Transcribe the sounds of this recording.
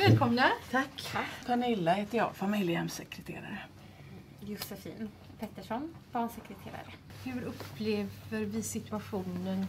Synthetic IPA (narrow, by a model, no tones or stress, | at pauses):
vɛːlkʰɔmnat̪ʰakːt̪ʰaɳɪlːaheːt̪əɾjɑ̰ːfamɪljəɛmsɛkʰɾɛt̪ʰḛːɾa̰ɾə | jʊsɛfḭːn | pʰɛt̪ːəʂɔnbɑːɳsɛkɾɛt̪ʰḛːɾa̰ɾəhɵɾɵpːleːvəɾvɪsɪt̪ɵaɧuːnən